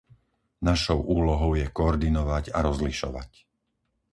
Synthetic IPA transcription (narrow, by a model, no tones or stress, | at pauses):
naʃɔʊʔuːlɔɦɔʊjɛkɔːɾd̪inɔʋaɟaɾɔzliʃɔ̰ʋa̰c